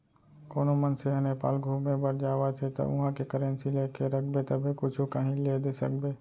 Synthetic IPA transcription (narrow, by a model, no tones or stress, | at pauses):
koːnomənseɦənepa̰ːlɡʱuːmẽbəɾd͡ʒaːʋat̪ʰet̪ɐ̰ʔʊ̰ɦãkekəɾənsileːkeɾək̚ʰbet̪ɐbʱikʊt͡ʃʰukəɦĩled̪esə̰k̚beː